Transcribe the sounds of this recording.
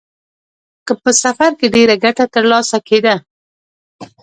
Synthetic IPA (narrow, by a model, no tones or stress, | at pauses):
kəpəsafaɾkeɖeɾaɡaʈat̪əɾlɑsaked̪a